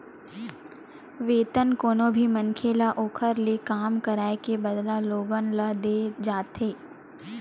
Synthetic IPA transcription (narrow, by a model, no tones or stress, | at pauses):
ʋeːt̪ənkoːnõbʱimənkʰeːlaʔoːkʰəɾlekaːmkəɾaːekebəd̪laloːɡənləd̪ed͡ʒaːt̪ɦeː